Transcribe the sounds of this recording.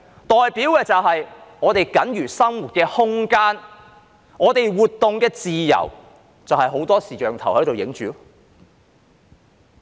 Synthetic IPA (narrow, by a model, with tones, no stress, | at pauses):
t̪ɔː˨jpiː˨˥wkɛː˧t͡sɐ˨wɦɐ˨jŋɔː˨˧t̪e˨jkɐ˨˥nɥyː˨˩sɐ˥mwuː˨˩t̚kɛː˧hʊ˥ŋkaː˥n | ŋɔː˨˧t̪e˨jwuː˨˩t̪̚ːʊ˨ŋkɛː˧t͡siː˨jɐ̰˨˩w | t͡sɐ˨whɐ˨jɦo˨˥wt̪ɔː˥siː˨t͡ʃœː˨ŋt̪ʰɐ˨˩whɵ˨˥t̪o˨wjɪ̰˨˥ŋt͡ʃyː˨˥